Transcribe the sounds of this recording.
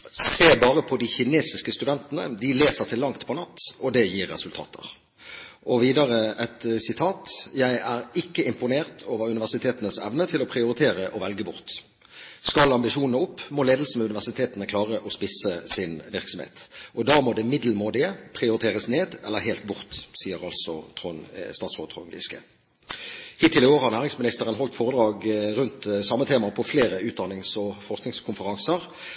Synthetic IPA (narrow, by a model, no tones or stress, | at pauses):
seːbɑːɾəpʰɔd̪ɪçɪneːsɪskəst̪ʉd̪ɛnt̪ənə̰d̪ɪleːsəʁt̪ʰɪlːɑŋt̪pʰɔnɑt̪ːɔd̪ɛjiːɾːɛ̰sʉlt̪ʰɑ̰ːt̪ʰə̰ʁ | ʔɔʋiːd̪ɑɾəɛt̪sɪt̪ʰɑːt̪jæɪæɾɪkːəɪmpʊneːʁt̪ʰoːʋəɾʉnɪʋæʁsɪt̪ʰeːt̪ənəsɛʋnət̪ʰɪlɔpʰɾɪʊɾɪt̪ʰeːɾəʔɔʋɛlɡəbʊʁt̪ | skɑlɑmbɪʂuːnnəʊpːmɔleːd̪l̩sən̩ɛʉnɪʋæʁsɪt̪ʰeːt̪ənəkʰlɑːʁəʔɔspɪsəsɪnʋɪʁksɔmhḛːt̪ʔɔd̪ɑːmɔd̪ɛmɪd̪l̩moːd̪ɪəpʰʁɪʊɾɪt̪ʰeːʁəsneːd̪ɛlːəɦeːlt̪̚bʊʁt̪siːəʁɑlsɔt̪ʰʁʊnst̪ɑːt̪sʁoːt̪ʰʁʊ̰nɡɪ̰skə̰ | hiːt̪ʰːɪlɪɡoːʁhɑʁnæːʁɪŋsmɪnɪst̪əʁənɦɔlt̪foːʁəd̪ɾɑːɡɾʉnt̪sɑmːət̪ʰeːmɑpʰɔfleːɾəʉːt̪̚d̪ɑnɪŋsɔfɔʁsknɪŋskʰʊnfəʁɑŋsəʁ